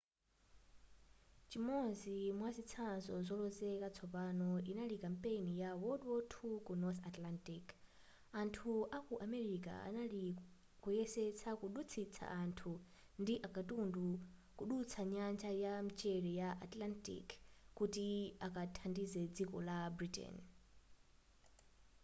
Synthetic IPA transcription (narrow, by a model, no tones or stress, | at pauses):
t͡ʃimɔzimwazit͡sʰanzɔzɔlɔzɛkat͡sʰɔpanɔinalikampʼenijawɔdwɔtʰukunɔθatlantik | antʰuʔakuʔamɛɾika̰a̰nali | kujɛsɛt͡sʰakuɗut͡sʰit͡sʰa̰ʔantʰu | ndiʔakatundukuɗut͡sʰaɲant͡ʃʰʼajam̩t͡ʃʼɛɾɛjaʔatlantḭkkːutiakʼatʰandizɛd͡zikɔlabɾitɛ̰n